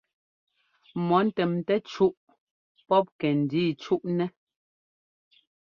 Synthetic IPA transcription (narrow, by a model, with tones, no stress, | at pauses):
mɔ˨˦n̩˦tɛ˨mtɛ˦t͡ʃu˦ʔ | pɔ˦p̚kɛ˨n̩˨diː˦˨t͡ʃu˦ʔnɛ˦